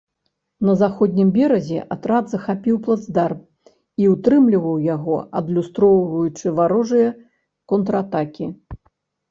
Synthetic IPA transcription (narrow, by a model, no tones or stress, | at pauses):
nɐzaxɔd̪ʲnʲimbʲɛɾɐzʲɛ̰ʔat̪ɾad̪zɐxapʲiwplˠad̪zd̪ar | iut̪ɾɨmlʲivɐwjaɣɔɐ̰d̪lʲust̪ɾɔwvɐjut͡ʂɨvaɾɔʐɨjɐ | kɔnt̪ɾɐat̪akʲi